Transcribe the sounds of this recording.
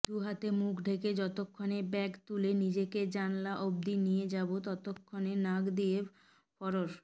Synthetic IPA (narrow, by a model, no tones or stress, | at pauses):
d̪uɦat̪emukʰɖʱeked͡ʑɔt̪okʰːonebɛkt̪ulenid͡ʑeked͡ʑanlaʔob̚d̪inijed͡ʑabot̪ɔt̪okʰːonenaɡd̪ie | fɔɾoɾ